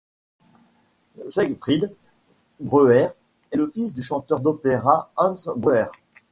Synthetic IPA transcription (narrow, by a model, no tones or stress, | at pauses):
sɛɡfχid̪ | bʁøɛʁ | ɛləfisd̪yʃɑ̃t̪œʁd̪ɔpeʁaɑ̃nsbʁøɛʁ